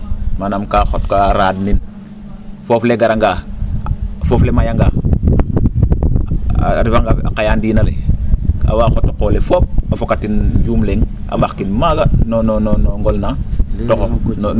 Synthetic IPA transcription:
manamkaxotkaɾaːdnin | fofleɡaɾaŋɡa | foflemajaŋɡaː | ɾifaŋɡaa̰kajaːndinaɾeka̰waːxotakoːlefop̚afokatind͡ʒuːmleŋa̰ɓaxkinmaɡanonononoŋɡolnatokon

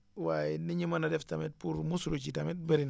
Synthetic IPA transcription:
wajniɲimanadɛftamet̚puɾmusuɾot͡ʃitamet̚bəɾin

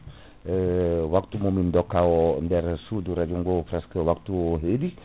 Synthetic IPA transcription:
əwak̚t̪umomindɔkaondɛɾsuduɾad͡ʒuŋɡopɾaskəwak̚t̪uɦedi

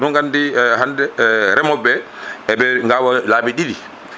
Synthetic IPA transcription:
nɔŋɡandihandɛɾɛmɔbːɛ | ɛbɛŋɡawalaːbiɗili

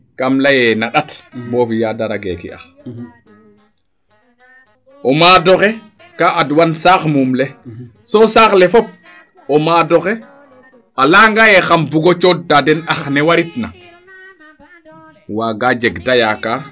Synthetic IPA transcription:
kamlajɛnaɗatbɔfijadaɾaɡḛkḭa̰x | ʔɔmaːdɔxɛ | kaʔadwansaːxmumlɛ | sɔsaːxlɛfɔp̚ | ɔmaːdɔxɛ | alaŋɡajɛxambuɡɔt͡ʃɔdadɛnaxnɛwaɾitna | waːɡad͡ʒɛɡtajaka

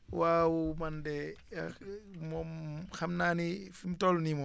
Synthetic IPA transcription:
wawɔmandɛ | mɔxamnaːnifimtɔlnimɔ

